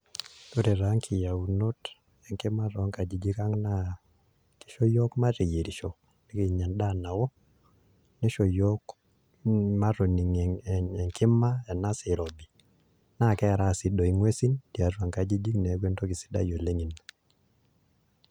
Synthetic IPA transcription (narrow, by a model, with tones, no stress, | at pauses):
to˦ɾe˨ɾa˨˦ŋkʰɪ˨ja˨u˨no˦t | ɛ˨ŋkɪ˦ma˦ɾɔ˨˦ŋka˨d͡ʒi˨d͡ʒi˦ka˦ŋna˦ | ki̥˦ʃɔ˦jɔ˦kma˦te˨je˨ɾi˨ʃɔ˨k̚ | ni˦ki˨ɲa˨nda˦˨na˨wɔ˦ | nɛ˦ʃɔ˨jɔ˦k | ma˦ɾo˨ni˨ŋ˨ɛ˨ŋkɪ˦ma˦ɛ˨na˦sɪ˨ɾo˨bi˨ | na˦˨kɛ˦˨ɾa˦˨sɪ˦do˨i˨ŋwe˦si˦nti˨a˨twa˨ŋka˨d͡ʒi˦d͡ʒi˦knɛ˨˦ɡwe˦nto˦ki˨si̥˦da̰˦jo˨le˦ŋi˨na